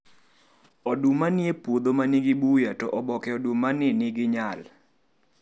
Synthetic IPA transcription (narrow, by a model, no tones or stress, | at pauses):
ɔdumanjepwod̪omanɪɡɪbujatɔʔɔbɔkɛɔdumanɪnɪɡɪɲal